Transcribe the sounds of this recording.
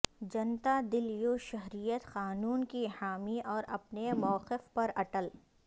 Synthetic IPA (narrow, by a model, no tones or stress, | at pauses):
d͡ʒɐnt̪ad̪ɪljoʃɐɦɾijət̪xaːnuːnkihaːmiʔɔːɾɐpnemɔːqɪfpɐɾɐʈəl